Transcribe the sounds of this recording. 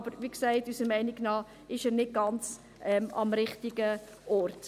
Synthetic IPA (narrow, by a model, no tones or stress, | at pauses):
b̥əɾʋiksɛɪtysəmɛɪnɪɡnɑː | ɪʃɛːɾnɪt̚ɡ̥ɑnt͡s | ʔɛmɑ̰mɾɪχtiɡə | ʔɔrt